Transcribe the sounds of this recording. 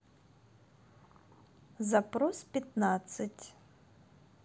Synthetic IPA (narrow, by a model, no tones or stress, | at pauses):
zɐpɾɔspʲɐt̪nat̪sɐtʲ